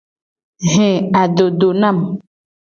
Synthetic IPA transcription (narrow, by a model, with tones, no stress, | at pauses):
ɦɛ̃˨a˨ɖo˨ɖo˨nã˦˨m